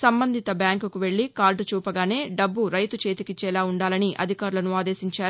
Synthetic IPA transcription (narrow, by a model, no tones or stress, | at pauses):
sɐmbɐnd̪ʱit̪ɐbjaːŋkukuʋe̞ɭːikaːlɖt͡ʃuːpɐɡaːne̞ːɖɐbːuɾɐjt̪ut͡ʃe̞ːt̪ikit͡ʃːɛːlaːuɳɖaːlɐniʔɐ̰d̪ʱikaːɾulɐnuaːd̪e̞ːsiɲt͡ʃaːɾu